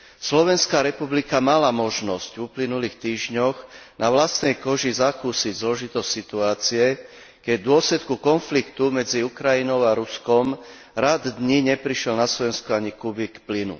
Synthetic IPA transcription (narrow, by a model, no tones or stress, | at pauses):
slɔʋɛnskaːɾɛpublikamalamɔʒnɔscvuplinuliːxt̪iːʒɲɔɣnaʋlast̪nɛjkɔʒizakuːsiɟzlɔʒit̪ɔstʲsit̪uaːt͡siɛ | kɛɟd̪ʊɔslɛt̪kukɔnflikt̪umɛd͡ziukɾainɔʊaɾuskɔm | ɾad̪d̪ɲiɲɛpɾiʃɪɛlnaslɔʋɛnskɔaɲikubikplinṵ